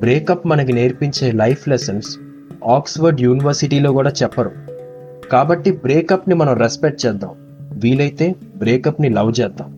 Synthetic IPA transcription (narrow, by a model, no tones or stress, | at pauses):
bɾeːkɐpːmɐnɐk̬ineːɾpiɲt͡ʃe̞ːlɐjpʰlesɐns | aːksʋɐɾɖjuːniʋɐɾsiʈiːlo̞ːkuːɽaːt͡ʃɛpːɐɾu | kaːbɐʈːibɾeːkɐpnimɐnɐmɾespek̚ʈ̚t͡ʃɛːd̪ːaːm | ʋiːlɐjt̪e̞ːbɾeːkɐpnilɐwt͡ʃɛːd̪ːa̰ːm